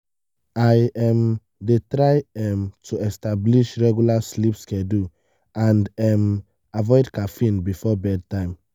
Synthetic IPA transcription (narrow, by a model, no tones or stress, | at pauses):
ajɛ̃m | detɹaɪɛmtʰuɛstabliʃɹɛɡjulaslipskɛdu | ãndɛm | avɔɪdkafĩnbifɔbɛd̚tãɪ̃m